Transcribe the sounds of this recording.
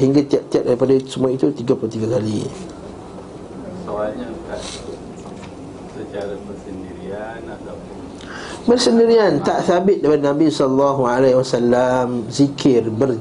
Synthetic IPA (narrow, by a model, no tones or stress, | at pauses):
ɦiŋɡat̪iaʔ̚t̪iaʔ̚daɾipadasəmuait̪ut̪iɡapulot̪iɡakali | soalɲakaʔ | sət͡ʃaɾabərsəndiɾianat̪ap | bərsəndiɾiant̪aʔθabɪt̪̚dapadnãbisɔlːɑɦualawasalːamzikʰɪrbər